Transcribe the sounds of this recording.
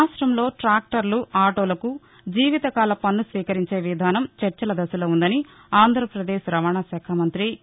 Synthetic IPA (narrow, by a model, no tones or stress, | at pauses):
aːsʈɾɐmlo̞ːʈɾaːk̚ʈɐɾluaːʈoːlɐku | d͡ʒiːʋit̪ɐkaːlɐpɐnːusʋiːkɐɾiɲt͡ʃe̞ːʋid̪ʱaːnɐmt͡ʃɐɾt͡ʃɐlɐd̪ɐsɐloːund̪ɐni | aːnd̪ʱɾɐpɾɐd̪eːʃɾɐʋaːɳasɐːkʰamɐnt̪ɾi